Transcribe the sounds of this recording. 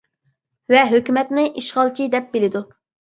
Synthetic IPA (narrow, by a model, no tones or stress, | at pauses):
vɛɦøkʲymɛt̪nɪʔiʃχɑlˠt͡ʃʰid̪ɛp̚belɪd̪u